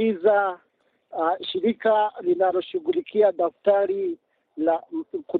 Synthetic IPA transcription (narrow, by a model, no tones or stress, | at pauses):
iza | ʃiɾikalinalɔʃuɣulikʰiaɗaftaɾi | laku